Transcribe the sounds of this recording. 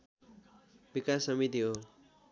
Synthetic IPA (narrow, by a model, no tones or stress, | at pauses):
bikasʌmit̪iɦo